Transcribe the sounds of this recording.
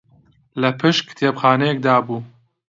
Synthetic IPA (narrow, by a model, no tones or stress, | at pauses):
lɐpʰɨʃkt̪ʰeːbxaːnɛjɛk̚d̪aːbuː